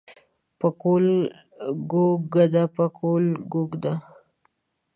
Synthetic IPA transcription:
pəkol | ɡoɡad̪apəkʰolɡoɡd̪a

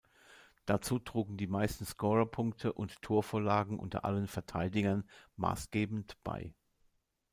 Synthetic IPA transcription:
d̥at͡suːtʁ̥uːɡŋ̩diːmaɪstn̩skɔʁɐpʰʊŋktʰəʔʊnttʰːuːɐfoːɐlaːɡŋ̩ʔʊ̰ntɐ̰ʔa̰lənfɛɐtʰaɪdɪɡɐnma̰ːsɡ̥eːbn̩tb̥a̰ɪ

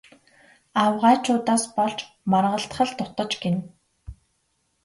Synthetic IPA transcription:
awʁaːt͡ɕʰʊːt̪aːspɔɮt͡ɕ | marʁə̆ɬt̪χə̆ɮt̪ʊt̪ə̆t͡ɕɡen

